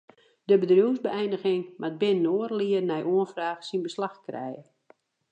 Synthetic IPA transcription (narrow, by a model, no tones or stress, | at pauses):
dəbədrjuwzbəɛjndəɣɪŋmad̚bɪnnoːərliərnɛjʔuənfraːxsinbəslaxkrɛ̰jə